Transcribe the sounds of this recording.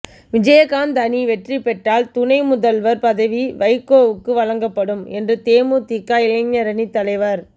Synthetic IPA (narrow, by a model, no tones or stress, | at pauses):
ʋɪd͡ʒɐjɐkaːnd̪ɐniʋɛʈripɛʈraːlt̪ʊnɐɪmʊðɐlʋɐɾpɐðɐʋiʋɐɪkːoːʋɯkːɯʋɐɭɐŋɡɐpːɐɽɯmɛndrɯt̪eːmut̪ikːaːɪlɐŋɲɐɾɐnit̪ːɐlɐɪʋɐɾ